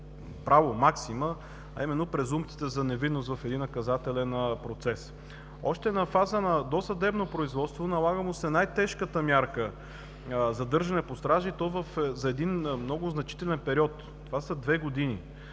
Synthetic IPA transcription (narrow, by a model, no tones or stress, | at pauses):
pɾavomaksimə | ɐ̰imɛnːopɾɛzumt̪si̥t̪ɛzɐnɛvid̪ːost̪vɐfɛd̪inːɐkɐzat̪ɛlɛnpɾot̪sɛs | ɔʃt̪ɛnɐfazənɐd̪osɐd̪ɛbnopɾoizvɔt̪st̪vonɐlˠaɡəmusɛnajt̪ɛʃkət̪əmʲjaɾkə | zɐd̪ɤɾʒɐnɛpost̪ɾaʒit̪ɔvɐfzɐɛd̪inmnɔɡʊznɐt͡ʃi̥t̪ɛlɛnpɛɾiɔt̪ | t̪ːovasəd̪vɛɡod̪ini